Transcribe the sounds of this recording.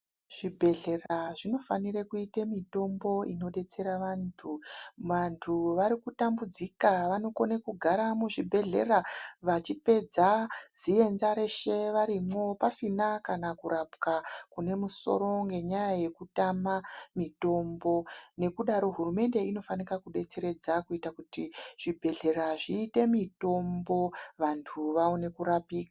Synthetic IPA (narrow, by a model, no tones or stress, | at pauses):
ʐ̥ibʱe̞ɮe̞raʐino̞faniɾekuitemito̞mbo̞ino̞ɗe̞t͡se̞ɾaʋaːntʰuʋantʰuʋaɾikutambud͡zikaʋano̞konekuɡʱaɾamuʐibʱe̞ɮe̞̰raʋat͡ʃipe̞d͡zaz̥ie̞nzaɾe̞ʃe̞ʋaɾimwo̞pasinakanakuɾapkakune̞muso̞̰ɾo̞ŋɡe̞ɲajaje̞kutamamito̞mbo̞ne̞kuɗaɾo̞ɦurume̞nde̞ino̞fanikakuɗe̞t͡se̞ɾe̞d͡zakuitakutiʐ̥ibʱe̞ɮe̞ɾaʐiːte̞mito̞mbo̞ʋantʰuʋaone̞kuɾapiːkḁ